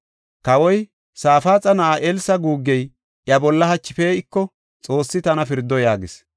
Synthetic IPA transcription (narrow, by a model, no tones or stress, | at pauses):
kɐwɔj | saːfaːt͡sʼɐnɐʔaʔɛlsɐɡuːɡːɛj | ʔjɐbɔlːɐhɐt͡ʃːɪfeːɪkːɔ | t͡sʼo̞ːsːɪt̪ɐnɐfɪɾd̪ːɔjaːɡɪs